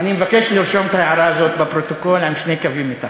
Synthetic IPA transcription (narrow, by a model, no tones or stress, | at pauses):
nimvakːeʃliɾʃomt̪aeʕɾˤɑːzoːt̪̚bɪpɾot̪okolʕamʃnekaviːmɪt̪a̰